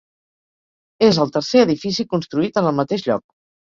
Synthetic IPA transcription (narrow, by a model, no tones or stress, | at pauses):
ezəlˠt̪əɾseəðifisikunst̪ɾuit̪ənəlˠmət̪eʃʎɔ̰k̚